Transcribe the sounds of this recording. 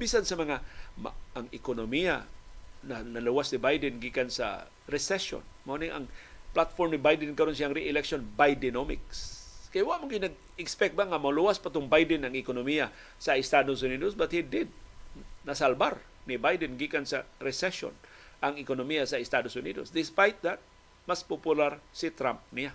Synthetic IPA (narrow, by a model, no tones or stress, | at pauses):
bisansɐmɐŋamaŋɪkonomija̰nanɐluwasnɪbajd̪ɛnɡikansa̰ | ɾɛsɛso̰nmonɪŋʔa̰ŋplat̪̚foɾmnɪbajd̪ɛnkɐɾons̬jaʔŋɾiʔɪlɛkʃonbajd̪ɪnomɪ̰kskajwaʔmaŋɡɪnɐɡ̚ | ɪkspɛk̚t̪̚baŋamaluwaspat̪ʊŋbajd̪ɪnaŋɪkonomija | saɪst̪ad̪osʊnid̪osbat̪̚hid̪ɪd̪̚nɐsalbar | nɪbajd̪ɛnɡikansaɾɛsɛʃo̰n | ʔaŋɪkonomijasaɪst̪ad̪osʊnid̪o̰sd̪ɪspajt̪̚d̪at̪̚ | maspopjʊlaɾsɪt̪ɾamp̚nija